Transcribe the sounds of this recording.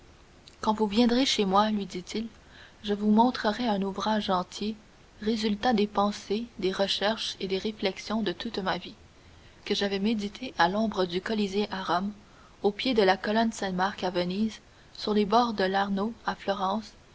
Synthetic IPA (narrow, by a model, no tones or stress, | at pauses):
kɑ̃vuvjɛ̃d̪ʁeʃemwalɥid̪it̪ʰil | ʒəvumɔ̃t̪χəʁɛɛ̃nuvʁaʒɑ̃t̪je | ʁezylt̪ad̪epɑ̃sed̪eʁəʃɛʁʃed̪eʁeflɛksjɔ̃d̪ət̪ut̪mavi | kəʒavɛmed̪it̪ʰeʔalɔ̃bʁəd̪ykɔlizeʔaʁɔm | opjed̪əlakɔlɔnsɛ̃maʁkavəniz | syʁlebɔːʁd̪əlaʁnoaflɔʁɑ̃ːs